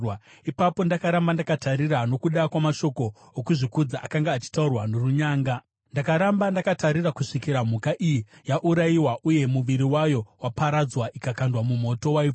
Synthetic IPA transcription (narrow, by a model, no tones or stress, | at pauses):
ipapo̞ndakaɾambandakataɾirano̞kuɗakwamaʃo̞ko̞ː | kuʐikud͡zaʔakaŋɡaːt͡ʃi̥taurwanoruɲaːŋɡa | ndakaɾambandakataɾirakuʂikiɾam̤ukaʔijijaʔuɾajiwaʔuje̞muʋiɾiwajo̞wapaɾad͡zwaʔikakandwamumo̞to̞wai